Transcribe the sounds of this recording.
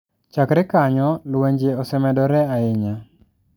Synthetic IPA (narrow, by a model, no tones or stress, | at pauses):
t͡ʃakɾɪkaɲɔlweɲd͡ʒeɔsɛmɛdɔɾɛaɪɲa